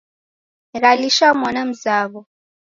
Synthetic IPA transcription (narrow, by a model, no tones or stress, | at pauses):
ɣaliʃamɔnam̩zaːβɔ